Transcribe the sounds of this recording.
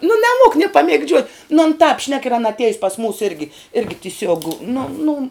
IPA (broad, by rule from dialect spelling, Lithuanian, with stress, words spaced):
nʊ nʲɛˈmuɔk nʲeː pɐmʲeːɡˈd͡ʒʲuɔt nʊ ɐn tɑːp ʃʲnʲɛk ɪr ˈɑːnɐ ɐtʲˈiɛjʊs pɐs muːs ˈɪrʲɡʲɪ ˈɪrʲɡʲɪ tʲɪˈsʲuɔk nʊ nʊ